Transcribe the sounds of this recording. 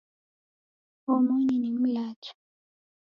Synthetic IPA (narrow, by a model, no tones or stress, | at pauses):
omoninem̩laːtʰɔ̥